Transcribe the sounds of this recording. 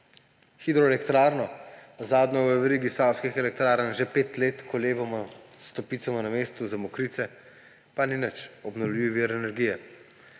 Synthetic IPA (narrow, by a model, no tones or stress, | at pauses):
xid̪ɾɔɛlɛkt̪ɾaːɾnɔzaːd̪nʲɔʋəʋɛɾiːɡisawskixɛlɛk̚t̪ɾaːɾənʒepeːt̪leːt̪kʰɔleːbamɔst̪ɔpiːt̪samɔnameːst̪uzamɔkɾiːt̪sɛ | paninət͡ʃɔbnɔwliʋiʋiːɾɛnɛɾɡiːjɛ